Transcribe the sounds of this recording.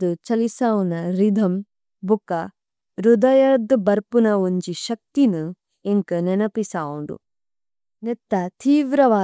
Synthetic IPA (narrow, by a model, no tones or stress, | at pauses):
d̪ut͡ʃɐlisaːwunɐɾid̪ʱɐm | bukɐ | ɾud̪ɐjɐɾd̪bɐɾpunɐuɲt͡ʃiʃɐk̚t̪inu | eŋkɐnenɐpisaːwuɳɖṵ | net̪ːɐt̪ʰiːʋɾɐʋaː